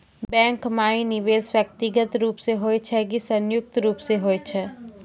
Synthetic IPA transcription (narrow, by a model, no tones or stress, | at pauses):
bɛ̃ːŋkmaːinɪʋeːsʋjək̚t̪ɪɡət̪ɾuːpseɦoːet͡ʃʰɛkisɐ̃njʊk̚t̪ɾuːpseɦoːet͡ʃʰɛ